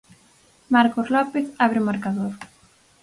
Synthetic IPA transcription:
maɾkoslɔpeθaβɾemaɾkaðoɾ

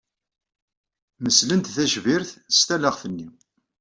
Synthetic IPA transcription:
məslənt̪θæʃviɾθəst̪æləʁθənːi

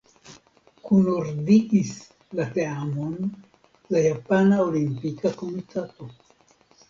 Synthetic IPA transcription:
kunoɾdiʔis | lateamon | lajapanaolimpikako̞mitʰato̞

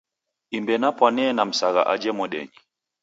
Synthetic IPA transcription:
imbɛnapwanɛːnam̩saɣa̰ʔad͡ʒɛmɔɗɛ̰ɲi

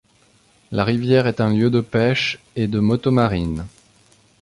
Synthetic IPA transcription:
laʁivjɛʁɛt̪ɛ̃ljød̪əpɛʃ | ed̪əmɔt̪omaʁin

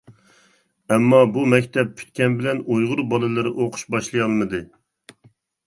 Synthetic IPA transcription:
ɛmːɑbumɛkʲt̪ʰɛp̚pʰy̥t̪̚kʲɛnbɪlɛnojʁʊɾbɑlˠɨlˠɨɾɨʔoqʰʊ̥ʃbɑʃlˠɨjɑlˠmɨd̪ɨ

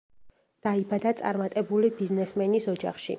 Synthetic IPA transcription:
d̪̥aibad̪at̪sʼa̰ɾmat̪ʼɛbulibiznɛsmɛnisɔd͡ʒa̰χʃḭ

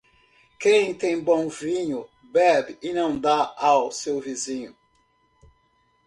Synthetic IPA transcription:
kẽj̃t̪ẽj̃bõw̃vĩɲʊ | bɛbɪɪnɐ̃w̃d̪aawsewvizĩɲʊ

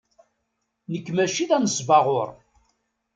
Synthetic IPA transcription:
nəkːmæʃiðænəsvɑʁʊɾ

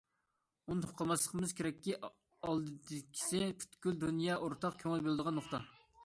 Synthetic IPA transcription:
unɨoqʰɑmɑslˠəqəmɨz̥kʲʰeɾɛkʲːi | ɑlˠd̪ɨd̪ɪkʲʰi̥sɪpʲʰy̥t̪kʲyld̪unjɑʔoɾt̪ʰɑqkʲʰøŋɪlbelˠɨd̪əʁɑnːoχt̪ɑ

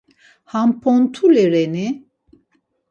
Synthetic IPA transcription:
hampʰɔnt̪ʰulɛɾɛni

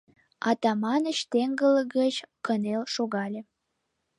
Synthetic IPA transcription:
ɑt̪ɑmɑnəɕt̪eŋɡələɡət͡ɕkənelʃoɣɑlʲĕ

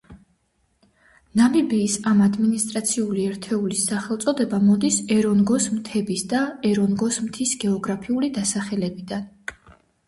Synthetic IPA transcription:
namibiːsamad̪minist̪ʼɾat̪sʰiuliɛɾt̪ʰɛulisːaχɛlˠt̪sʼɔd̪ɛbamɔd̪isɛɾɔnɡɔsmt̪ʰɛbisd̪aɛɾɔnɡɔsmt̪ʰisɡɛɔɡɾapʰiulid̪asaχɛlɛbid̪an

